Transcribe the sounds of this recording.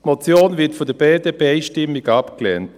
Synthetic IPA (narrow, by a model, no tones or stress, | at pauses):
mɔt͡sjoːnvɪɐtfɔdəb̥eːdəbɛɪʃtɪmːɪɡapklɛ̰nt